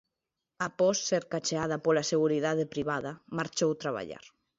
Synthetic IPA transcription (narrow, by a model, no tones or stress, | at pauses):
apɔsːeɾkat͡ʃeað̞ɐpolaseɣuɾiðaðepɾiβaðɐmaɾt͡ʃowt̪ɾaβ̞a̰ʎa̰ɾ